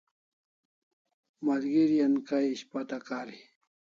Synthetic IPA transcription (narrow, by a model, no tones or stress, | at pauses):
malɡɪɾjankajɪʃpat̪akaɾi